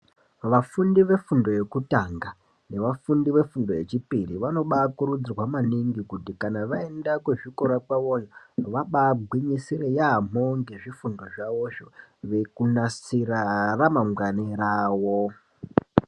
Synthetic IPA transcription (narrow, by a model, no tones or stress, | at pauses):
ʋafundiʋe̞fundo̞je̞kutaŋɡa | ne̞ʋafundiʋe̞fundo̞je̞t͡ʃipiriʋano̞ɓakuɾud͡zirwamaniŋɡikutikanaʋae̞ndakweʐiko̞ɾakwaʋoɲaʋaɓaɡʱwiɲisiɾejam̤oŋɡe̞ʐifundo̞ʐaʋo̞ʃoʋe̞kunasiɾaramamɡaneɾaːwo